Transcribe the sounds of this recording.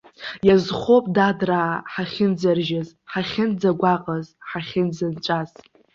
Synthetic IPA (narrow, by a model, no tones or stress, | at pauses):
jazχopʼdadraːħaχʲɪnd͡zarʒaz | ħaχʲɪnd͡zaɡʷaqʼəzħaχʲɪnd͡zant͡ʃʷʼaz